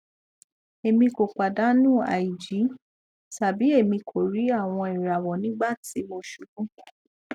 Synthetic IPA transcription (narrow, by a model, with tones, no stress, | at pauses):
e˨mĩ˧ko˨k͡pa˨da˨˦nũ˦˨a̰˨i˨d͡ʒi˨˦ | ta˨bi˨˦e˦˨mĩ˧kʰo˨ɾi˨˦a˦˨w̃ɔ̃˧i˨ɾa˨wɔ˨nĩ˨˦ɡ͡ba˦˨ti˨˦mo˧ʃu˨ɡũ˦